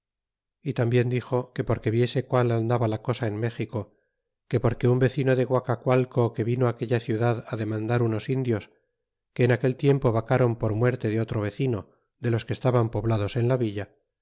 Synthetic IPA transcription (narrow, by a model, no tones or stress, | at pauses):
it̪ambje̞nd̪ixo̞ke̞po̞ɾke̞βje̞se̞kwaland̪aβalako̞saenme̞xiko̞ | ke̞po̞ɾke̞umbe̞θino̞ðeɣwakakwalkoke̞βino̞ake̞ʎaθjuðaðaðe̞mãnd̪aɾuno̞sind̪jo̞s | ke̞ːnake̞lt̪je̞mpo̞βakaɾo̞mpo̞ɾmwe̞ɾt̪e̞ðeo̞t̪ɾoβ̞e̞θino̞ | ðe̞lo̞skest̪aβampo̞βlað̞o̞se̞nlaβiʎa